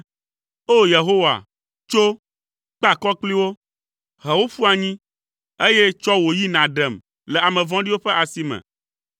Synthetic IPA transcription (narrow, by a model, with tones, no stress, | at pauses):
o˦je˨ɦo˦wa̰˨ | t͡ʃo˦ | k͡pa˦kɔ˦k͡pli˦wo˦ | ɦɛ˨wo˦fu˦a˨ɲĩ˦ | e˦je˦t͡ʃɔ˦wo˨ji˦nã˨ɖɛ˨m | lɛ˨a˨mɛ̃˨vɔ̃˦ɖi˦wo˦ɸɛ˦ʔa˨si˨mɛ̰̃˨